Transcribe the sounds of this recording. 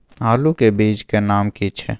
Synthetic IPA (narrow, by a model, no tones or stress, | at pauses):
aːlukebiːd͡ʒkenaːmkit͡ʃʰɛ̰